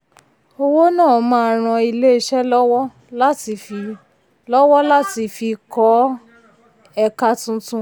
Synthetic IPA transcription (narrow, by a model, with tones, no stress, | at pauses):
o˧wo˦nãː˦˨mã˧a˧ɾ̃ã˧i˧le˦i˧ʃɛ˦lɔ˦wɔ˦ | la˦ti˨˧fi˧ | lɔ˦wɔ˦la˦ti˧fi˧kɔ˨˦ | ɛ˧ka˧tũ˧tũ˧